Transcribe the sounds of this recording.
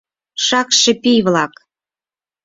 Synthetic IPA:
ʃɑkʃĕpijβlɑk

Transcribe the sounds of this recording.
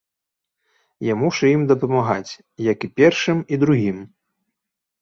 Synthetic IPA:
jamuʂɐjimd̪ɐpɐmaɣa̰t͡sʲ | jɐkipʲɛrʂɨmid̪ɾuɣʲim

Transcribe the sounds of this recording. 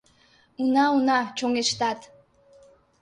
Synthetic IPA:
unɑunɑt͡ʃoŋeʃt̪ɑt̪

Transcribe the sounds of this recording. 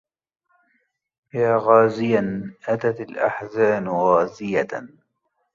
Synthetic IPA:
jaːɣaːzɪjanʔat̪at̪alʔa̰ħzaːnɣaːzɪja

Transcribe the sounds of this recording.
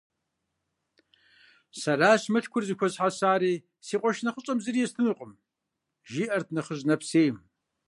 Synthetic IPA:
sɐraːɕmɐɬkʷʰʊrzɨkʷʰɔzħasaːɾiː | siːqʷʼɔʃnɐχʷəɕʼɐmzɨrijɛst̪ʰɨnuqʼəm | ʒiːʔɐrt̪̚ʰnɐχəʑnɐpseːjm

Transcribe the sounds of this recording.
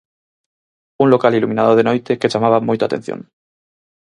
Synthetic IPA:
uŋlokalilumĩnaðoðenojt̪eket͡ʃamaβ̞amojt̪oat̪e̞n̟θjo̰ŋ

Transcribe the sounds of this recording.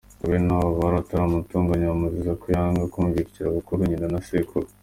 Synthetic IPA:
uβenaβaβaɾataɾamutuːŋɡaɲaβamuzizakujaːŋɡakuːɲviɾciɾaβukuɾuɲinanasekʰuɾ

